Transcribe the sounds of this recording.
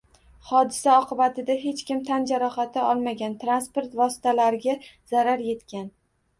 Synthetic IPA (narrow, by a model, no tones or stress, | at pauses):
χɒd̪ɪsaɒqʰɨbat̪ʰɪd̪aɦe̞t͡ʃkʲɪmt̪ʰand͡ʒaɾɒχat̪ʰɪɒlˠmaɡʲant̪ɾanspoɾt̪vɒsɪ̥t̪ʰalaɾɪɡʲazaɾaɾje̞t̪kʲʰan